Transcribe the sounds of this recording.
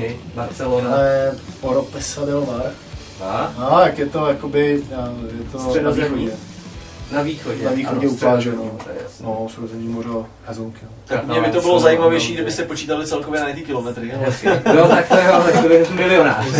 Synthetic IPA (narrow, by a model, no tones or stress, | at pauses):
ɪbaɾt͡sɛlonɛpoɾopɛsɛlɪlovaɾ | aat̪akjɛt̪ojakobɪajɛt̪ozoɲɛ | naviːxoɟɛnaviːxodɛuaʒɛnot̪ɛnosɾozɛɲimoɾo | hɛzuŋkot̪akumɲɛmɪt̪obɪlozajimavjɛjʃiːɡdɪbɪst̪ɛpot͡ʃiːt̪alɪt͡sɛlkovjɛnajɛt̪ɪkɪlomɛt̪ɾɪaɛkɪot̪akt̪ɛat̪ɛkt̪obɪɛt̪mɪlɪonaː